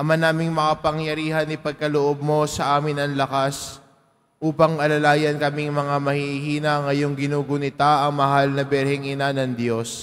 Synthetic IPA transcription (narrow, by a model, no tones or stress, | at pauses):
ʔɐmanaːmɪŋmɐkɐpɐŋjɐɾiːhɐnɪpɐɡ̚kɐloʔo̞b̚mo̞sɐʔaːmɪnɐŋlɐkas | ʔuːpɐŋɐlɐlaːjɐnkɐmiŋmɐŋamɐhihiːnɐŋɐjo̞ŋɡɪnuːɡʊnɪt̪aʔɐŋmɐɦalnɐbɛɾhɛŋʔɪnanɐŋd̪jo̞s